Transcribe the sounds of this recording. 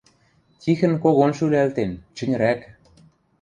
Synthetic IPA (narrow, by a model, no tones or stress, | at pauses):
t̪ʲixɘ̆nkoɣonʃylælt̪ent͡ɕɘ̆nʲɾæk